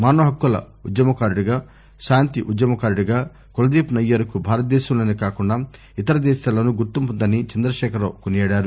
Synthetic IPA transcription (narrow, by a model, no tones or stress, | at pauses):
maːnoːɦɐkːulɐ̰ | ud̪jɐmɐkaːɾɽuɡaː | ʃaːnt̪iʔud̪jɐmɐkaːɾɽuɡaː | kulɐd̪eːpnɐjːɐɾɐkubʱaːɾɐt̪̚d̪ɛːʃɐmloːnikaːkuɳɖaː | it̪ɐɾɐd̪ɛːʃaːlɐnuɡuɾt̪umpund̪ɐnit͡ʃɐnd̪ɾɐʃɛːkɐɾo̰ːkunijɐːɽaːɾu